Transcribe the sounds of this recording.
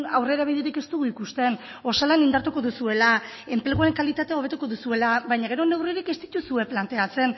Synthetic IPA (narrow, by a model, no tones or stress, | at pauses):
a̰wre̞ɾaβ̞iðeɾike̞st̪uɣuikust̪e̞no̞salanind̪aɾt̪uko̞ðusue̞lae̞mple̞ɣ̞uaɾe̞ŋkalit̪at̪eao̞β̞e̞t̪uko̞ðusue̞laβajɲaɣ̞e̞ɾo̞ne̞wriɾike̞st̪i̥t̪usue̞plant̪e̞at͡se̞n